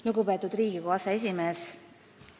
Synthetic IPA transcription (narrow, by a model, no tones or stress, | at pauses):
luɡupet̪ːˑud̪riːɡ̥ikoɑsee̞s̬ʲime̞ːs